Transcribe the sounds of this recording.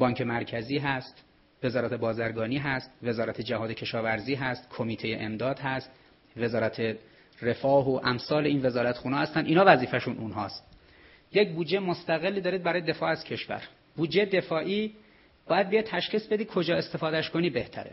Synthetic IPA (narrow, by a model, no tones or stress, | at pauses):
bɒːɲcʰe̞mæɾcʰæziːɦæst̪ | ve̞zɒːɾæt̪ʰe̞bɒːzæɾɡɒːniːɦæst̪ve̞zɒːɾæt̪ʰed͡ʒæɦɒːd̪ecʰe̞ʃɒːvæɾziːɦæst̪kʰomiːt̪ʰejeʔemd̪ɒːd̪ɦæst̪ | ve̞zɒːɾæt̪ʰe | re̞fɒːɦoʔæmsɒːleiːnve̞zɒːɾæt̪xuːnɑːhæst̪æniːnhɒːvæziːfæʃunʔunɦɒːst̪ | jecbuːd͡ʒemost̪æɣe̞lːid̪ɒːɾiːd̪̚bæɾɒːjd̪e̞fɒːæz̥cʰe̞ʃvæ̰ɾ | b̥uːd͡ʒeed̪e̞fɒːʔiː | b̥ɒːjæd̪̚bijejt̪ʰæʃχiːsbe̞d̪iːkʰo̞d͡ʒɒːe̞st̪e̞fɒːd̪æʃkʰoniːbe̞ht̪ʰæ̰ɾḛ